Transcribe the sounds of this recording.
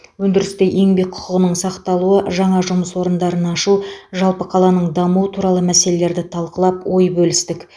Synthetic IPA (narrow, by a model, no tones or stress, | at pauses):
wɵnd̪ɪɾɪst̪eʔe̞ŋbejqʰʊ̥qəʁənəɴsɑqt̪ɑlˠuəʒɑɴɑʒʊməswo̞ɾənd̪ɑɾənɑʃuʒɑlˠpəqʰɑlˠɑnəɴd̪ɑmuət̪ʰuɾɑlˠəmæse̞le̞le̞ɾd̪ɪt̪ʰɑlˠqəlˠɑpwo̞jbɵlɪst̪ɪk